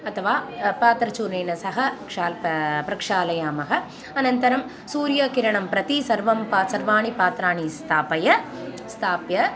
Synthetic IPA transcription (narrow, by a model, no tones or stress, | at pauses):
ɐt̪ʰɐʋaːpaːt̪ɾɐt͡ʃuːɾneːnɐsɐɦɐkʂaːlpɾɐkʂaːlɐjaːmɐɦɐ | ɐnɐnt̪ɐɾɐm | suːɾjɐkɪɾɐɳɐmpɾɐt̪isɐɾʋɐmpaːsɐɾʋaːɳipaːt̪ɾaːɳist̪ʰaːpɐjɐ | st̪ʰaːpjɐ